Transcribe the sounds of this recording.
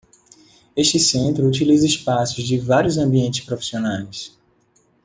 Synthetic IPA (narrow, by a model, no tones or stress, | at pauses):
eʃt͡ʃɪsẽnt̪ɾʊut͡ʃilizɐɪspasʊzd͡ʒɪvaɾjʊzɐ̃biẽnt͡ʃɪ̥spɾofi̥sionajs